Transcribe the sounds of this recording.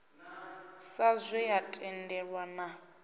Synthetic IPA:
sazʷɛjatʼɛndɛɺwana

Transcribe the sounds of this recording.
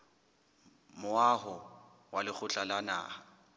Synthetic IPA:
mʊaɦʊ | walɪk͡xʰʊt͡ɬʼalana̰ː

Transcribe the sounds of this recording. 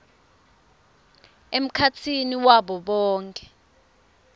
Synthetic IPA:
em̩kʰat͡sʰiniwaɓɔɓɔːŋkʼɛ̥

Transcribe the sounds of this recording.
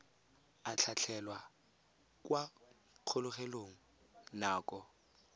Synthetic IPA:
at͡ɬʰat͡ɬʰɛlwa | kwa | q͡χʰʊlʊχeloŋ̩ | naːkʼɔ

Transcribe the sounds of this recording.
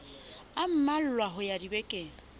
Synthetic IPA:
am̩mal̩lwaɦʊjadibekʼɪ

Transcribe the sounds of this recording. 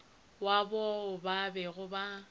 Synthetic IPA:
wabɔʊbabɛɣʊba

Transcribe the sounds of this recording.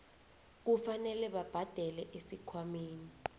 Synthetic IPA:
k̬ufanɛlɛɓab̥ʱad̥ʱɛlɛʔesikʰwameːni

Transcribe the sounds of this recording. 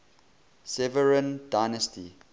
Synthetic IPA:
sɛvəɹə̃ndaɪnəstʰḭ

